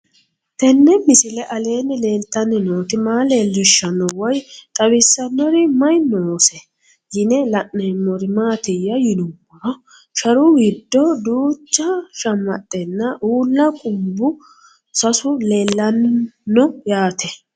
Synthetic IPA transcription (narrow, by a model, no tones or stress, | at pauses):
t̪ɛnːɛmɪsɪlɛʔɐle̞ːnɪle̞ːlt̪ːɐnːɪnoːt̪ɪmaːleːlːɪʃːɐnːɔwɔjt̪ʼɐbɪsːɐnːɔɾɪmɐjnoːsɛ | jɪnɛlɐʔːɛmːɔɾɪmaːt̪ɪjːɐjɪnʊmːɔɾɔ | ʃɐɾʊwɪd̪ːɔd̪uːt͡ʃːɐʃɐmːɐ̰t̪ʼːɛnːɐʔuːlːɐkʼʊmbʊ | sɐsʊle̞ːlːɐnːɔjaːt̪ɛ